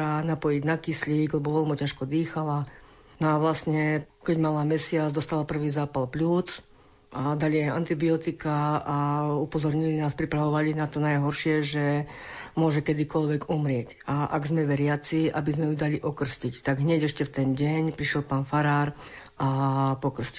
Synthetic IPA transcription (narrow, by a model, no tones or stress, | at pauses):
anapɔjiɟnakisliɡlɛbɔʋɛlmɔcaʃkɔd̪iːxala | nɔaʋlasɲɛkɛɟmalamɛsɪad͡zd̪ɔst̪alapr̩ʋiːzaːpalpluːt͡s | ʔad̪aliaja̰nt̪ibiɔt̪ikaː | upɔzɔɾɲilinaːspɾipɾaʋɔʋalinat̪ɔnajɦɔɾʃɪɛʒɛmʊɔʒɛkɛd̪ikɔlʋɛɡumɾɪɛc | aʔa̰ɡzmɛʋɛɾɪat͡siʔa̰bizmɛjud̪aliʔɔkr̩scict̪aɡɦɲɛɟɛʃcɛft̪ɛnɟɛɲpɾiʃjɛlpaːnfaɾaːɾ | ʔapɔkr̩sci